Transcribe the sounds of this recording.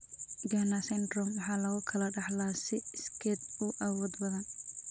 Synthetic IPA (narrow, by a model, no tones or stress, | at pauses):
ɡanasɛnd̪rɔmwɑħɑːlɐɣʊkʰɐlɐɖɑħlaːsɪɪskʰɛːd̪ʊʔɐwɔːd̪wɐðɐn